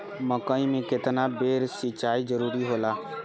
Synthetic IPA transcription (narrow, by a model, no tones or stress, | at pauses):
məkəimẽkɪt̪nabeːɾsɪt͡ʃaːid͡ʒəɾuːɾiɦoːlaː